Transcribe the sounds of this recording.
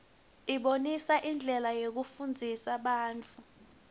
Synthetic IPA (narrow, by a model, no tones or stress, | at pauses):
iɓonisaʔind͡ɮʱɛlajok̬ufund͡zʱisaɓaːnt͡fʰu